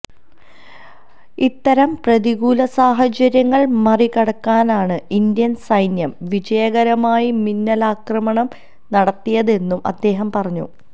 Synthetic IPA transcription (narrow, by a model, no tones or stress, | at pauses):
it̪ːɐɾɐmprɐðiɣuːlɐsaːɦɐt͡ɕɐɾjɐŋːɐɭmɐrikɐɽɐkːaːnaːɳɨind̪jɐnsɐjnjɐmʋid͡ʑɐjɐɣɐɾɐmaːjiminːɐlaːkrɐmɐɳɐm | nɐɽɐt̪ːijɐðe̞nːumʔɐ̰d̪ːe̞ːɦɐmpɐrɐɲːṵ